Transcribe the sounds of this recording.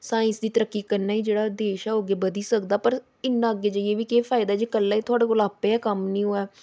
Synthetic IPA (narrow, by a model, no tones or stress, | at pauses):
saːɪ̃nsd̪iːt̪əɾəkːiːkəɾnaːiːd͡ʒeːɽaːd̪eːʃɛːoːɡeːbəd̪iːsəkd̪aːpəɾ | ɪnːãːəɡeːd͡ʒaːieːʋiːkeːfʰaːɪd̪aːɛd͡ʒeːkəlːaːiːt̪ʰʊaːɽaːkʊlaːpeːɛːkəmnĩːɦoːɛː